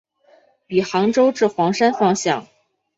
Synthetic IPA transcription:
pi˨˩xɑ˧˥ŋʈ͡ʂo˥ʊʈ͡ʂɻ̩˥˩xwɑ˧˥ŋʂa˥nfɑ˥˧ŋɕjɑ̰˥˩ŋ

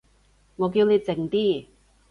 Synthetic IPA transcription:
ŋɔː˨˧k̬iː˧wle˨˧jt͡sɪ˨˩ŋt̪iː˥

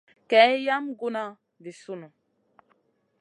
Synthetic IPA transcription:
kɛ˨˦ja˦mɡu˦na˦ | vi˨su˦nu˨

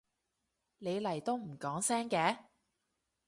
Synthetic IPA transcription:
ne˨˧jlɐ˨˩jt̪o˥wm̩˨˩kɔː˨˥ŋsɛː˥ŋkɛː˨˥

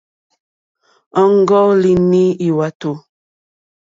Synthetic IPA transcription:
ɔ˦ŋ˦ɡɔ˦li˨ni˦i˨wa˨to˨

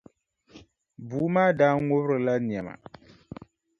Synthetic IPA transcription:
buː˨˦maː˦daː˦n˦ŋo˦βɾɨ˨la˦n˨ɛ˨ma̰˨

